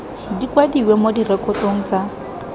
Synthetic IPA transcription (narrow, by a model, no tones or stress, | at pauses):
dikwadiwemodirɛkʼɔtoŋ̩t͡sa